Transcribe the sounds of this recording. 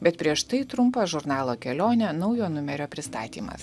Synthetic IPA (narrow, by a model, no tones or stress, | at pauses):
bʲɛt̪pʲɾʲiɛʃt̪ɐɪt̪ɾʊmpɐʒʊɾnɑːlˠoːkʲɛlʲoːnʲɛnɐʊjoːnʊmʲɛɾʲoːpʲɾʲɪst̪ɑ̰ːt̪ʲḭːmɐ̰s